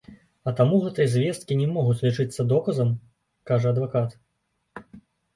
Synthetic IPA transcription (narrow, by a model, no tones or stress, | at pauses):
ɐt̪amuɣɛt̪ɐjɐzʲvʲjɛst̪̚kʲinʲɛmɔɣut͡sʲlʲit͡ʂɨt̪sːɐd̪ɔkɐzɐm | kaʐɐɐd̪vakat̪